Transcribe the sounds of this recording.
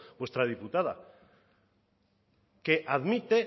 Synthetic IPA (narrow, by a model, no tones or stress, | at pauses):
bwe̞st̪ɾað̞iput̪aða̰ | keʔaðmit̪e